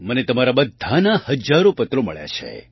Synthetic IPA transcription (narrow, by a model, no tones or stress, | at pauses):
mənet̪əmaɾabəd̪ʱːanahəd͡ʒaɾopət̪ɾomə̰ɭja̰t͡ʃʰḛ